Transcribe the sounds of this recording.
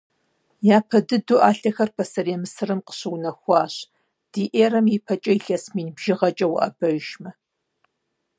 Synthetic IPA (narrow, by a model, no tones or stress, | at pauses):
jaːpʰɐdɨduːʔaːɬɐxɐrpʰɐsɐrjɛmɨsɨrɨmqə̥ɕɨwnɐxʷɑːɕ | d̥iːʔeːɾɐmjipʰɐt͡ʃʼɐiɬɐsmiːnbʒ̥ɪʁɐt͡ʃʼɐw̰ʔɐ̰bɐʒʒmɐ